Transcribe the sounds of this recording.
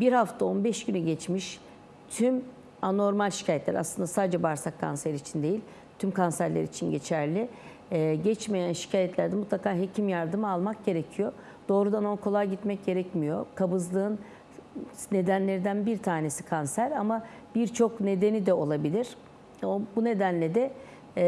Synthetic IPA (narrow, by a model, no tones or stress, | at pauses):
biɾhaft̪ʰao̞nbɛʃɟ̥ynyɟɛt͡ʃmiʃ | t̪ʰym | ano̞ɾmalʲʃi̥cʰaːjɛt̪lʲæ̰ɾaslɯnd̪asaːd̪d͡ʒɛbaɾsakʰːa̰nseɾiːt͡ʃʰind̪e̞jilʲ | t̪ʰymkʰansæɾlʲḛɾḭt͡ʃʰinɟe̞t͡ʃʰæɾlʲɪ | ɟɛt͡ʃme̞jænʃi̥cʰaːjɛt̪lʲæɾd̪ɛmut̪ʰlˠakaːɦe̞cʰimjaɾd̪ɯmalˠmak̚ɟe̞ɾecʰijo | d̪̥o̞ːɾud̪anonkʰo̞lˠajɟit̪mɛc̚ɟe̞ɾɛcmijo̞kʰabɯzlˠɯɯn | ne̞d̪ænlʲe̞ɾid̪ænbiɾt̪ʰaːne̞si̥kʰansæɾama | b̥iɾt͡ʃʰokne̞d̪e̞nid̪ɛo̞lˠabilʲiɾ̥ | obune̞d̪ænlʲed̪ɛ